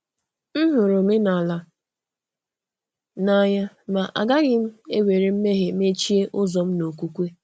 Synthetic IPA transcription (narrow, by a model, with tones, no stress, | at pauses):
n̩˦ɦʊ˨ɾʊ˨me˦na˨la˨ | na˦ɲa˦ | ma˨ʔa̰˨ɡa˦ɣɪ˦m̩˦e˦wʷe˨ɾe˨m̩˦me˦ɦe˨m̩˦e˦t͡ʃi˦e˦ʔʊ˦zɔ˨m̩˦no˨kʷu˦kʷe˦